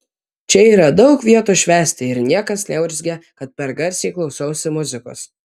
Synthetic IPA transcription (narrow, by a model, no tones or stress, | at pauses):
t͡ʃʲɛiːɾɐd̪ɒʊkʋʲiɛt̪uːʃʲʋʲæːsʲt̪ʲɪɪɾnʲiɛkɐsnʲɛʊɾʲzʲɡʲɛkɐt̪̚pʲɛɾɡɐɾʲsʲeɪklˠɒʊsɐʊsʲɪmʊzʲɪko̰ːs